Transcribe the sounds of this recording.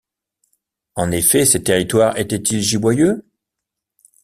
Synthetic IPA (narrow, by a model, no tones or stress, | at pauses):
ɑ̃nefɛset̪eʁit̪waʁet̪ɛt̪ilʒibwajø